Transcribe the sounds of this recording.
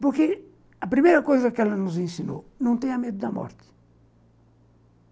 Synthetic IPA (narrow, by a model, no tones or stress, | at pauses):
puɾke | ɐpɾimejɾɐkojzɐkɛlɐnuzẽnsino̰nɐ̃t̪ɛɲɐmed̪ud̪ɐmɔ̰ɾt̪ɪ̥